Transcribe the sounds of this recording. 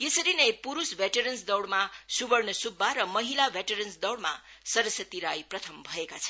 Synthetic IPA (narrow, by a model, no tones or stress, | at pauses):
jesʌɾinʌjpuɾusbʱeʈeɾensd̪ʌwɽmasubʌrnʌsubʱːaɾʌmʌɦilabʱeʈeɾensd̪ʌwɽma̰ | sʌɾʌsʌt̪iɾajprʌt̪ʰʌmbʱʌekat͡sʰʌ̥n